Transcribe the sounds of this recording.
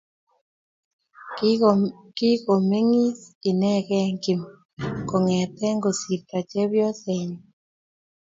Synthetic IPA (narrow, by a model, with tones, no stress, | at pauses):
ki˦ko˨me˦ŋi˦si˨nɛ˦kɛ˦ŋki˨m | ko˨ŋɛ˨t̪ɛ˦ŋɡo˨si˨ta˨t͡ʃɛ˦βjɔ˦sɛ˨ɲ